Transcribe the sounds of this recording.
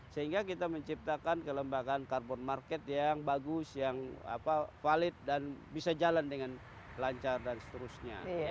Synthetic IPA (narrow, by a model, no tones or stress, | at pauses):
səɦiŋɡakit̪aməɲt͡ʃip̚t̪akankələmbaɡankarbɔnmarkɛt̪jaŋbaɡʊsjaŋa̰pafalɪt̪̚danbisad͡ʒalandəŋan | laɲt͡ʃardansə̥t̪əɾusɲa̰